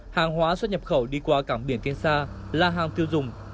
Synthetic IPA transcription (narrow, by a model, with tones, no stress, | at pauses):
haː˨˩ŋɦwaː˨˦swə˦˥t̚ɲə˨˩p̚xə˧˩wɗi˧kwaː˧kaː˧˩mɓi˧˩ənt̪i˧ənsaː˧ | laː˨˩ɦaː˨˩ŋt̪i˧əwzʊ˨˩ŋ͡m